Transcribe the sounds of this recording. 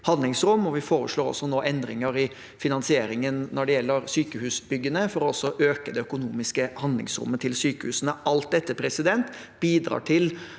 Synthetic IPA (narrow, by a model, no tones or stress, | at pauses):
hɑnlɪŋsɾʊmːɔʋɪfoːɾəʂɭoːɾɔ̰sːɔnoːʔɛnd̪ɾɪŋəɾɪ | fɪnɑnsɪeːɾɪŋənnɔɖɛjɛlːəɾsyːkəhʉːsbʏɡːənəfɔɾɔɔsːɔʔøːkəd̪ɛœkʊnuːmɪskəhɑnlɪ̰ŋsɾʊ̰mːət̪ʰɪlsyːkəhʉːsənəɑlt̪̚d̪ɛt̪ːəpʰɾɛsɪd̪ɛnt̪ | biːd̪ɾɑ̰ːʈʰɪl